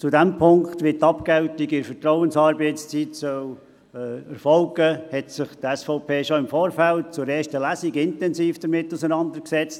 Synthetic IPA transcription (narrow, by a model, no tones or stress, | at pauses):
t͡sudɛmpʰʊŋkχt̪vʋɪtːɑpkɛʊtiɡɪɾfətɾɔʊənsɑːɾbɛɪtst͡siːtsœw | əɾfɔlɡəhɛtsɪχtɛsfɔʊpʰeːʃɔɪmfoːɾfæltt͡sʊɾɛːʃtəlæsiɡɪntɛnsiːfd̥əɾmɪtːusənɑnd̪əɾksɛt͡st